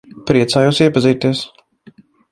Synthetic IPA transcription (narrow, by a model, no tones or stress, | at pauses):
pɾʲiɛt̪saːjosiɛpɐzʲɛjt̪ʲiɛs